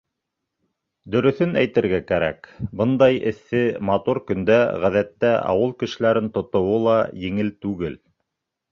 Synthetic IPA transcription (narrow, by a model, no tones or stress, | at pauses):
d̪ɵ̆ɾɵ̆θɵnæjt̪ɘ̆ɾɡækæɾæ̰kbɤnd̪ɑjɘ̰̆θːɘmɑt̪uɾkɵ̆nd̪æʁæðæt̪ːæʔɑ̰wɤlˠkɘ̆ʃɘ̆læɾɘnt̪ŏt̪ŏwɤlˠɑjɘ̆ŋɘlt̪ʉɡɘl